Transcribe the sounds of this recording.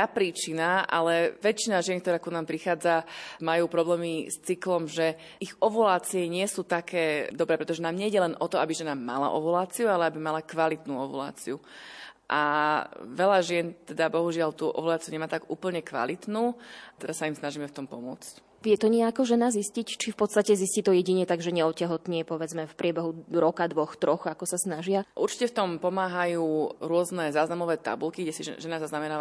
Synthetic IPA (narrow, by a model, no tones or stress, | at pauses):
t̪apɾiːt͡ʃinaʔa̰lɛʋɛt͡ʃinaʒɪɛnkt̪ɔɾaːkunaːmpɾixaːd͡zamajuːpɾɔblɛːmist͡siklɔmʒɛ | iɣɔʋulaːt͡siɛɲɪɛsuːt̪akʰɛːd̪ɔbɾɛːpɾɛt̪ɔʒɛnaːmɲɛiɟɛlɛnʔɔt̪ɔabiʒɛnama̰la̰ʔɔ̰ʋulaːt͡sijualɛabimalakʋalit̪nuːɔʋṵla̰ːt͡siuʔa̰ | ʋɛʎaʒɪɛnt̪ɛd̪abɔɦuʒɪalt̪uʔɔ̰ʋulaːt͡siuɲɛmaːt̪aɡuːpl̩ɲɛkʋa̰lit̪nuːt̪ɛɾasːaimsnaʒimɛft̪ɔmpɔmʊɔ̰t͡sc | ʋjɛt̪ɔɲɪɛakɔʒɛnaziscict͡ʃifpɔt̪st̪acɛziscit̪ɔjɛɟiɲɛt̪aɡʒɛɲɛɔcaɦɔt̪ɲɪɛpɔʋɛd͡zmɛfpɾʔɪɛbɛɦuɾɔkad̪ʋɔxt̪ɾɔxakɔsasnaʒɪaʔuɾt͡ʃi̥cɛft̪ɔmpɔmaːɦajuːɾʊɔznɛzaːznamɔʋɛːt̪a̰bulkiɡɟɛsiʒɛnazaznamɛnaː